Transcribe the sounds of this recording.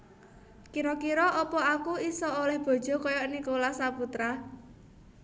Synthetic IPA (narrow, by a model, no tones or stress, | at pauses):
kiɾɔkiɾɔʔɔpɔakuisɔolɛhb̥ɔ̤d̥ʒ̥ɔ̤kɔjɔinikolasaput̪ɾa